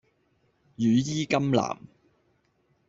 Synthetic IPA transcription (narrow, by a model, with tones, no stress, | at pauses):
jyː˨˧jiː˥kɐ˥mla̰ː˨˩m